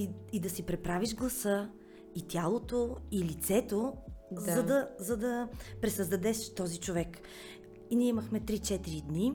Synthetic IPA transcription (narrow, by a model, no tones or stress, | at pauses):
id̪ɐsipɾɛpɾaviʒɡlˠɐsɤ | it̪ʲjalˠot̪oilit̪sɛt̪ozɐd̪ɐzɐd̪ɐpɾɛsəzd̪ɐd̪ɛʃt̪ɔzit͡ʃovɛk | iniɛiməxmɛt̪ɾit͡ʃɛt̪iɾid̪ni